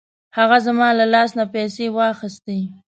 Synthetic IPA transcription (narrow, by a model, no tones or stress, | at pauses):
haɣazamɑlalɑsnapɛsewɑxɪst̪e